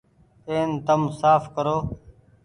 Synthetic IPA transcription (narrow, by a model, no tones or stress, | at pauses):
eːnt̪əmsaːfkəɾoː